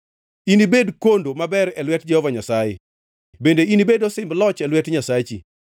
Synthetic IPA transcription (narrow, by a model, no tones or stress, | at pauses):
inibedkondomabɛɾɛlwɛtd͡ʒɛhɔvaɲasajɪ̰ | bendeinibedɔsɪmblɔt͡ʃɛlwɛtɲasat͡ʃḭ